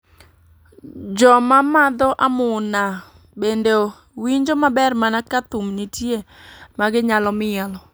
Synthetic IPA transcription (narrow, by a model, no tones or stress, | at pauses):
d͡ʒɔmamad̪ɔʔamʊna | bende | wiɲd͡ʒomabɛrmanakat̪umnitje | maɡɪɲalɔmɪɛlɔ